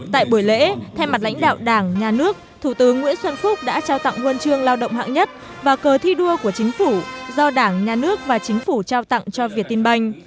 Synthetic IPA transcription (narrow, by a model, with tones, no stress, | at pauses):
t̪a̰ː˧˨jɓu˧˩əjlḛ˧˥t̪ʰa˧jma˨˩t̚la̰˧˥jŋ̟ɗa̰ː˧˨wɗaː˧˩ŋɲaː˨˩nɨ˦˥ək̚t̪ʰu˧˩t̪ɨ˨˦ŋːwḭ˧˥ənswə˧nfʊ˦˥k͡p̚ɗa̰ː˧˥t͡ɕaː˧wt̪a̰˧˨ŋhwə˧nt͡ɕɨ˧əŋlaː˧wɗə̰˧˨wŋ͡mɦa̰ː˧˨ŋɲə˦˥t̚ | vaː˨˩kəː˨˩t̪ʰi˧ɗu˧əku˧˩ət͡ɕï˨˦ŋ̟fu˧˩zɔ˧ɗaː˧˩ŋɲaː˨˩nɨ˦˥ək̚vaː˨˩t͡ɕï˨˦ŋ̟fu˧˩t͡ɕaː˧wt̪a̰˧˨ŋt͡ɕɔ˧vi˨˩ət̪̚i˧nɓa˧jŋ̟